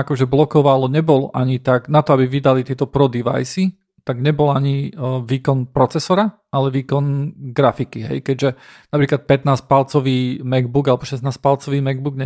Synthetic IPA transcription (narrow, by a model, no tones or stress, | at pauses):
akɔʒɛblɔkɔʋalɔɲɛbɔlɔʔaɲit̪aɡnat̪ɔabiʋid̪alit̪ɪɛt̪ɔpɾɔd̪iʋa̰jsi | t̪aɡɲɛbɔlaɲiʋiːkɔnpɾɔt͡sɛsɔɾa | alɛʋiːkɔnɡɾafikiɦɛ̰jkɛɟʒɛnapɾiːklat̪̚pɛt̪naːs̚palt͡sɔʋiːmɛɡbuɡalɛbɔʃɛsnaːsc̚palt͡sɔʋiːmɛɡ̚buɡɲɛ